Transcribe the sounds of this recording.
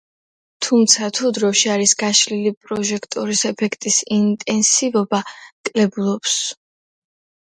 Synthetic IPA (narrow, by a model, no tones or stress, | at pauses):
t̪ʰumt̪sʰat̪ʰud̪ɾɔʃiaɾisɡaʃlilipʼɾɔʒɛkʰt̪ʼɔɾisɛpʰɛkʰt̪ʼisint̪ʼɛnsivɔbakʼlɛbulˠɔps